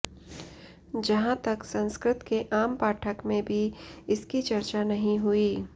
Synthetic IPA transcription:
d͡ʒɐɦãt̪ɐksɐ̃nskɾɪt̪keʔaːmpaːʈʰəkmẽbʱiɪskit͡ʃɐɾt͡ʃanɐɦĩɦʊiː

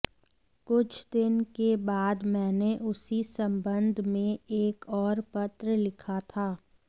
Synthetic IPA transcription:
kʊt͡ʃʰd̪ɪnkebaːd̪mɛ̃ːneʔʊsisɐ̃mbə̃nd̪ʱmẽeːkɔːɾpət̪ɾəlɪkʰat̪ʰaː

